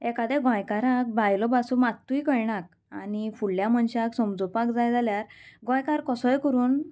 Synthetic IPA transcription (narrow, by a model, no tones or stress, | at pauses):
ɛkad̪ɛɡɔ̃jkaɾãk̚bʱajlɔbasumat̪ːuikəjɳak̚ | a̰nifuɭljaməɳɕaksɔmd͡zɔpakd͡zajd͡zʱaljaɾɡɔ̃jkaɾkɔsɔjkəɾuːn